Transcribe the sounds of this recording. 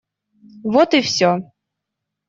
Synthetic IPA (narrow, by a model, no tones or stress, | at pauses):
vɔt̪ɨfsʲɔ